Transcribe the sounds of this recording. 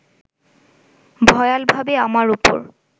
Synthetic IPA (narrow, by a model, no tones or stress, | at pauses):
bʱɔjalbʱabeamaɹupo̰ɹ